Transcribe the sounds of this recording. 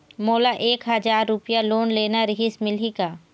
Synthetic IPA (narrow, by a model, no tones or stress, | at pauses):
moːlaʔeːkɦɐd͡ʒaːɾːʊpijaloːnleːnaɾɪɦɪsmɪlikaː